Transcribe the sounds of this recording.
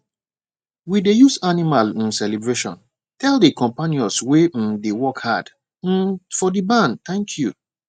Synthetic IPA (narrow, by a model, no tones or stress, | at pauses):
widejusanimal̩sɛlebɹeʃɔ̰̃n | tʰɛldəkɔ̃mpaniɔswedewɔkhad | m̩fɔdibãndt̪ãŋkʰju